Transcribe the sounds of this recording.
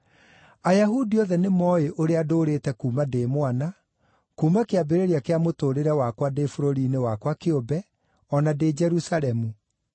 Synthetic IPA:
ajaɦudiɔðɛnemɔːeʔoɾeadoːɾeːtɛkuːmadeːmwana | kuːmakeabeɾeɾeakeamotoːɾeɾɛwakwadefoɾoɾiːnewakwakeobɛ | ɔnaded͡ʒɛɾusalɛmu

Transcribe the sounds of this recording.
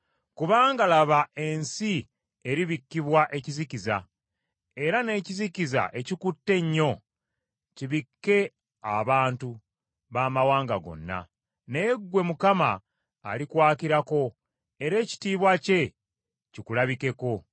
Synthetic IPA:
kuβaːŋɡalaβae̞nsi | e̞ɾiβikːiβwaʔe̞cizikiza̰ | e̞ɾane̞ːciziciza̰ʔe̞cikutːe̞ɲːo̞ | ciβikːe̞ | aβaːntu | βaːmawaːŋɡa̰ɡo̞̰nːa̰ | ne̞ɡwe̞mukama̰ː | likwaːkiɾako̞ | e̞ɾe̞ːci̥tiːβwace̞ | cikulaβike̞ko̞

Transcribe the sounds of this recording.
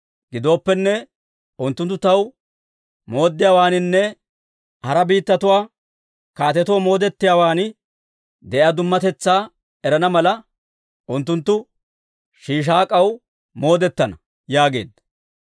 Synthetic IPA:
ɡɪd̪o̞ːpːɛnːɛ | ʊnt̪ːʊnt̪ːʊt̪ɐw | mo̞ːd̪ːɪjaːwaːnɪnːɛ | hɐɾɐbiːt̪ːɐt̪ʊwaː | kaːt̪ɛt̪womo̞ːd̪ɛt̪ːɪjaːwaːnɪ | d̪ɛʔɐd̪ʊmːɐt̪ɛt͡sːaː | ɛɾɐnɐmɐlɐ | ʔʊnt̪ːʊnt̪ːʊ | ʃiːʃ̬aːkʼɐw | mo̞ːd̪ɛt̪ːɐnɐ | jaːɡe̞̰ːd̪ːɐ

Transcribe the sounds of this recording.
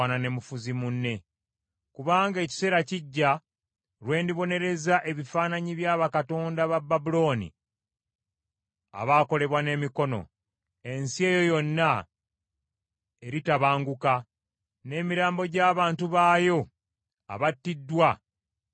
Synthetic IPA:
nane̞mufuzimunːe̞ | kuβaːŋɡe̞ːci̥se̞ːɾaciɟːa | ɾwe̞ːndiβo̞ne̞ɾe̞zaʔe̞βifaːnaɲiβjaːβakato̞ːndaβabːabulo̞ːnḭ | a̰βaːko̞le̞βwane̞ːmiko̞no̞̰ | e̞nsie̞ːjo̞jo̞nːa | e̞ɾitaβaːŋɡuka | ne̞ːmiɾaːmbo̞ɟaːβaːntuβaːjo̞ | a̰βatːidːwa

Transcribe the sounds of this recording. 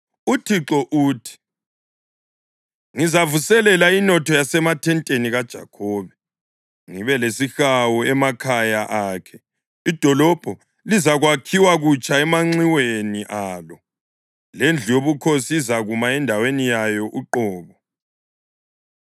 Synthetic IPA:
utʰiǁɔʔuːtʰi̥ | ŋizavusɛlɛlainɔtʰɔjasɛmatʰɛntʼeniɣad̥ʒ̥ʱa̰kʰɔːβɛ | ŋiβɛlesixawuɛmakʰajaʔaːkʰɛ | id̥ʱɔlɔb̥ʱɔ | lizaɣwakʰiwaɣut͡ʃʼaɛmaŋ͡ǀiweniʔaːlɔ | lend͡ɮʱijoβukʰosiːzaɣumaɛndʱawenijajɔʔuǃɔːβɔ

